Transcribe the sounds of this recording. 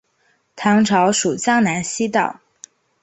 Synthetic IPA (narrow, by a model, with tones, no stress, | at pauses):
t̪ʰɑ˧˥ŋʈ͡ʂʰɑ˧˥ʊʂu˨˩t͡ɕjɑ˥ŋna˧˥nɕi˥t̪ɑ̰˥˩ʊ